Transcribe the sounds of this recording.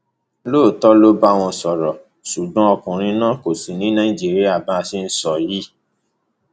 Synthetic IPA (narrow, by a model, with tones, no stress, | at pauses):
loː˦˨tɔ˦lo˦ba˦˨w̃ɔ̃˧sɔ˨ɾɔ˨ | ʃu˨ɡ͡bã˦ɔ˧kũ˨ɾ̃ĩ˧nã˦ko˨si˨nĩ˨˦nã˦ĩ˦˨d͡ʒi˦˨ɾi˦a˦˨ba˦˧si˧n̩˦sɔ˨ji˦